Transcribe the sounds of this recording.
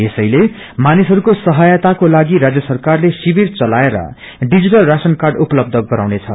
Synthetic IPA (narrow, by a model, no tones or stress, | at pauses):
esʌjle | manisɦʌɾukosʌɦʌjat̪akolaɡiɾad͡zjʌsʌrkarlesibirt͡sʌlaeɾʌ̰ | ɖid͡ziʈʌlrasʌnkarɖupʌlʌb̚d̪ʱʌɡ̪̚ʱɡʌɾawnet͡sʰʌ̰